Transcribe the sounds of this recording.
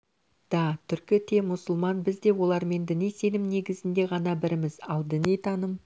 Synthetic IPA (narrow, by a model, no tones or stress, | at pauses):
d̪̥ɑt̪ʰʏɾkʲɪt̪ʰe̞mʊsʊlˠmɑnbɪzd̪e̞wo̞lˠɑɾme̞nd̪ɪnijse̞nɪmne̞ɡʲɪzɪnd̪e̞ʁɑnɑbɪɾɪmɪzɑlˠd̪ɪnejt̪ʰɑnəm